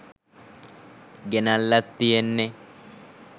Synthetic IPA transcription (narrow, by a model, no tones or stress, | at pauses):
ɡɛnɐlːɐt̪ːɪjɛnːɛ